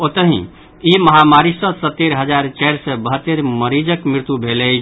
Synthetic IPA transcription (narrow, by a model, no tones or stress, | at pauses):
ot̪əɦḭ̃ | iməɦamaɾisə̃sət̪ːeɾɦəd͡ʒaɾt͡ʃɛɪɾsɛbəɦət̪ːeɾməɾid͡ʒəkmiɾt̪ubʱelɛt͡ʃʰ